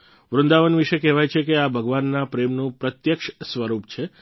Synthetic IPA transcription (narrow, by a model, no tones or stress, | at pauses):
ʋɾʊnd̪aʋənʋiʃekɛɦʋajt͡ʃʰekeabʱəɡʋanːapɾemnũpɾət̪jəkʃsʋəɾupt͡ʃʰe